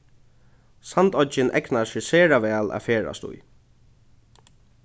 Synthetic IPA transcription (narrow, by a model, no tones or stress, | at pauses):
sant̪ɔt͡ʃɪnʔɛ̰knaʃɪseːɹaʋɛːlæ̰feːɹa̰st̪ṵj